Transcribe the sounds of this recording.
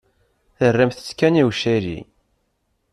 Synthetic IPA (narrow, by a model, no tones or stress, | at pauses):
θərːəmθə̥t͡sːkæniwʃiɾḭ